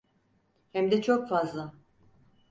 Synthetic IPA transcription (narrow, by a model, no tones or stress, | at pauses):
hɛmd̪ɛt͡ʃʰokfazlˠa